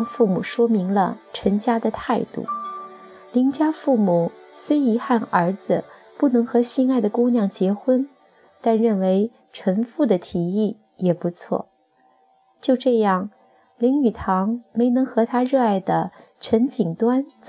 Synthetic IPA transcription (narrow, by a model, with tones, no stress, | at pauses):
ŋfu˥˩mu˨˩ʂwɔ˥mi˧˥ŋlə̰˧ʈ͡ʂʰə˧˥nt͡ɕja˥d̪ə˨t̪ʰa˥˧ɪt̪ṵ˥˩ | li˧˥ŋt͡ɕja˥fu˥˩mu˨˩swe˥ɪi˧˥xa˥˩nə˞˧˥d͡zɹ̩˧ | pu˥˩nɤ˧˥ŋxɤ˧˥ɕi˥˧ŋa˥˩ɪd̪ə˩kʊ˥ŋnjɑ˥˩ŋt͡ɕjɛ˧˥xwə˥n | t̪a˥˧nɻə˥˩nwe˧˥ɪ | ʈ͡ʂʰə˧˥ŋfu˥˩d̪ə˩t̪ʰi˨˧˩i˥˩ | jɛ˨˩pu˧˥t͡sʰwɔ̰˥˩ | t͡ɕjo˥˧ʊʈ͡ʂɤ˥˧jɑ˥˩ŋ | li˧˥ŋy˨˩t̪ʰɑ˧˥ŋme˧˥ɪnɤ˧˥ŋxɤ˧˥t̪ʰa˥ɻɤ˥˧a˥˩ɪd̪ə˩ | ʈ͡ʂʰə˧˥nt͡ɕi˨˩ŋt̪wa˥n